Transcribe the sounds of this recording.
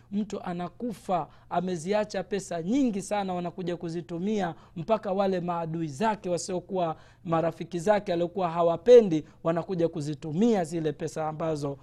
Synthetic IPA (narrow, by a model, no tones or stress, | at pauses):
m̩tuʔanakufaː | mɛziat͡ʃapɛsaɲiŋɡisanawanakuʄakuzitumia | m̩pakawalɛmaːɗuizakɛwasiɔkuwa | maɾafikizakɛaliɔkuwaɦawapɛndi | wanakuʄakuzitumiazilɛpɛsaːmbazɔ